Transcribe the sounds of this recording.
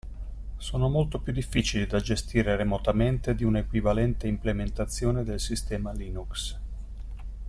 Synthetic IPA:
soːnomolt̪opjud̪ːifːiːt͡ʃilid̪ad͡ʒest̪iːɾeɾemot̪ament̪ed̪iunaekwivalɛnt̪eimplement̪at̪sːjoːned̪elsist̪ɛːmaliːnuks

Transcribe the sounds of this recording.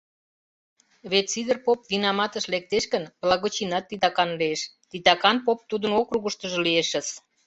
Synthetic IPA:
βet̪t͡sid̪ərpopvinɑmɑt̪əʃlek̚t̪eʃkənβlɑɣot͡ɕinɑt̪ːit̪ɑkɑnlieʃ | t̪it̪ɑkɑnpop̚t̪ud̪ənokɾuɣəʃt̪ə̆ʒɤ̆lieʃə̆s

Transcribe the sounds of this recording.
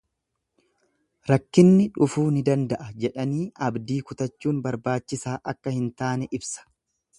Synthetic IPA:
ɾɐkːɪnːɪᶑʊfuːnɪd̪ɐnd̪ɐʔɐd͡ʒɛᶑɐniːɐbd̪iːkʊt̪ɐt͡ʃːuːnbɐɾbaːt͡ʃːɪsaːʔɐkːɐhɪnt̪aːnɛʔɪbsɐ̥

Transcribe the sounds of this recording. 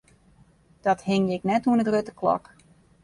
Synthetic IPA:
d̥ɔthɪŋjɪknɛtuənətrøtəklɔ̰k

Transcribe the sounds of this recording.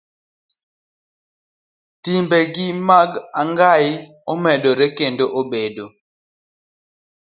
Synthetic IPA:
timbɛɡɪmaɡaŋɡaɪ | ɔmɛdoɾɛkendoʔobedo

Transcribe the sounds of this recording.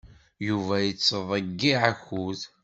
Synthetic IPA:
juvæjət͡sːəðˤəɡːiʕaçuð

